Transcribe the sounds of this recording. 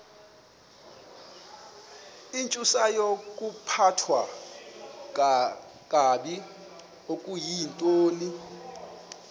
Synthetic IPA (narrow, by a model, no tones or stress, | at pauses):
int͡ʃʼusajokʼupʰatʰwa | kʼaɓi | okʼujintʼoːni